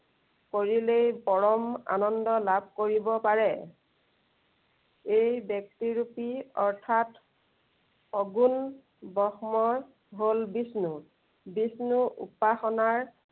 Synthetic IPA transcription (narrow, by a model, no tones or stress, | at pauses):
koɹilejpɔɹɔma̰nɔndɔlabʱkoɹibɔpaɹɛ | ejbjɔk̚tiɹupiɔɹtʰat | ɔɡun | bɔxmɔɹ | ɦolbisnu | bisnuʔṵpaxɔnaɹ